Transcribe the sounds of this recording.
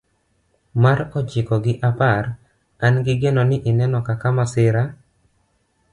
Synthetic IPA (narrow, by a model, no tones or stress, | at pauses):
maɾɔd͡ʒɪkɔɡɪʔapaɾ | anɡɪɡenɔnɪʔɪnɛnɔkakamasɪɾa